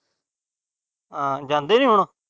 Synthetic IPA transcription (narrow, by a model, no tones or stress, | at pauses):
ãːd͡ʒãːnd̪eːnĩːɦʊɳ̃aː